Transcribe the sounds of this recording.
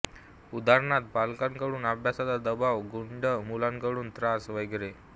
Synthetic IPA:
ud̪ʱaɾɳat̪̚balkankəɽuːnabʱjasad̪ad̪əbaʋɡuɳɖəmulankəɽuːnt̪ɾasʋəjɡɾe

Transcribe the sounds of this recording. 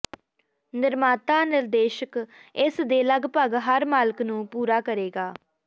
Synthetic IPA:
nɪɾmaːt̪aːnɪɾd̪eːʃəkɪsd̪eːləɡpəɡɦəɾmaːləknũːpuːɾaːkəɾeːɡaː

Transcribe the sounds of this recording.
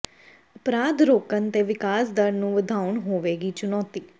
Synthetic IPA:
əpɾaːd̪ɾoːkənt̪eːʋɪkaːsd̪əɾnũːʋəd̪ʱaːʊɳɦoːʋeːɡiːt͡ʃʊnɔːt̪iː

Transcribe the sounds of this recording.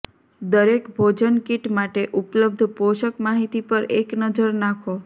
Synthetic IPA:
d̪əɾekbʱod͡ʒənkiʈmaʈeʔupləb̚d̪ʱpoʃəkmaɦit̪ipəɾeknəd͡ʒəɾnakʰo

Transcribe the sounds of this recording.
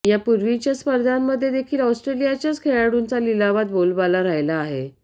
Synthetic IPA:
japuɾʋit͡ɕjaspəɾd̪ʱamːəd̪ʱːjed̪ekʰiːlɔwsʈɾelijat͡ɕjat͡skʰeɭaɽunt͡salilaʋat̪̚bolbalaɾajlaːɦe

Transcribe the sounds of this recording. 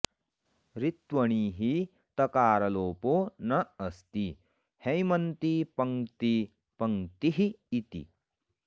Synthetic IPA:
ɾit̪wɐɳiːɦi | t̪ɐkaːɾɐloːpoːnɐɐst̪i | hɐjmɐnt̪ipɐŋt̪i | pɐŋt̪iɦiːt̪ḭ

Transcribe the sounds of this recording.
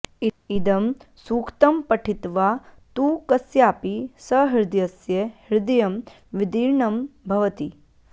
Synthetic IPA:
iid̪ɐmsuːkt̪ɐmpɐʈʰit̪ʋat̪uːkɐsjaːpisɐɦiɾd̪jɐsjɐhɪɾd̪ɐjɐm | ʋid̪iːɾɳɐmbʱɐʋɐt̪i

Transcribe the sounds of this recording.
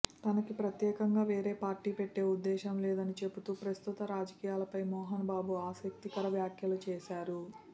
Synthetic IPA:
t̪ɐnɐkipɾɐt̪jɛːkɐŋɡaːʋeːɾeːpaːɾʈiːpeʈːe̞ːud̪ːɛːʃɐmlɛːd̪ɐnit͡ʃe̞put̪uːpɾɐst̪ut̪ɐɾaːd͡ʒɐkiːjaːlɐpɐjmɔːɦɐnɐbaːbuaːsɐk̚t̪ikɐɾɐʋjaːkʰjɐlut͡ʃɛːʃaːɾu

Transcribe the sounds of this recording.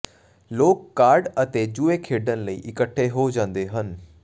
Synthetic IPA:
loːkːaːɾɖət̪eːd͡ʒueːkʰeːɖənləḭːʔɪkəʈʰːeːɦoːd͡ʒãːnd̪eːɦən

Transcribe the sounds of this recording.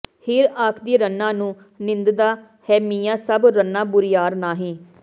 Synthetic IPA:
hɪːɾaːkʰd̪iːɾənːãːnũː | nɪnd̪d̪aː | hɛːmiːjãːsəbɾənːãːbʊɾijaːɾnaːɦĩː

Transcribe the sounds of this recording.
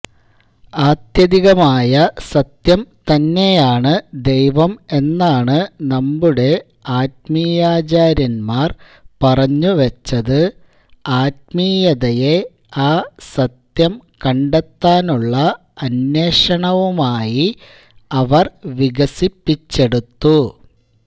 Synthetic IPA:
aːt̪jɐðiɣɐmaːjɐsɐt̪jɐmt̪ɐnːe̞jaːɳɨd̪e̞jʋɐme̞nːaːɳɨnɐmbuɽe̞ | aːt̚mijaːt͡ɕaːɾjɐnmaːr | pɐrɐɲːuʋɐt͡ɕːɐðɨ | aːt̚miːjɐðɐje̞ | aːsɐt̪jɐmkɐɳɖet̪ːaːnuɭːɐ | ɐnːje̞ːʂɐɳɐʋumaːji | ɐʋɐrʋiɣɐsipːit͡ɕːe̞ɽut̪ːu

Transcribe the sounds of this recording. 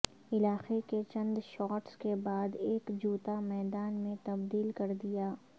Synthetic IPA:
ɪlaːxeket͡ʃɐ̃nd̪ʃɔːʈskebaːd̪eːkd͡ʒuːt̪amɛːd̪aːnmẽt̪ɐbd̪iːlkɐɾd̪ijaː

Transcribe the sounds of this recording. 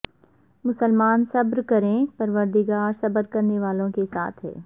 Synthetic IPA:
mʊsəlmaːnsɐbɾkɐɾẽpɐɾʋəɾd̪iɡaːɾsɐbəɾkɐɾneʋaːlõkesa̰ːt̪ʰɦɛ̰ː

